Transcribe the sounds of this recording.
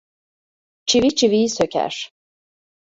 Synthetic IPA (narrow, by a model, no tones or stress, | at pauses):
t͡ʃʰivit͡ʃʰivijisøcʰæ̰ɾ̥